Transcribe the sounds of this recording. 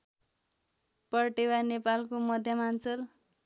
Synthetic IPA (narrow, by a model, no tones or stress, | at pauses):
pʌrʈewanepalkomʌd̪ʱjʌmant͡sʌl